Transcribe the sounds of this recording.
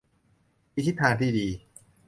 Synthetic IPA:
wi˦t̪ʰːi˦˥t̪ʰːaː˧nt̪ʰiː˥˩diː˧

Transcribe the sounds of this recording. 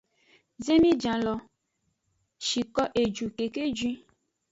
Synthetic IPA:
ze˦mĩ˦d͡ʒã˨lɔ˨ | ʃi˨kɔ˦ʔe˨d͡ʒu˨ke˨ke˦d͡ʒwĩ˦

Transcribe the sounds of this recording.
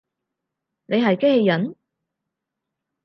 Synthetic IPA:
nʔe˨˧jɦɐ˨jkhe˧jːɐ˨˥n

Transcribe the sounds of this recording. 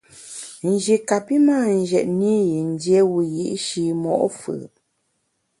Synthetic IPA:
n˨d͡ʒi˨ka˨pi˦maː˦˨n˨ʒɛ˨ʔni˦ji˨n̩˦djɛ˦wu˦jḭ˦ʔʃi˦mɔ̰˨ʔfɨ̰˨

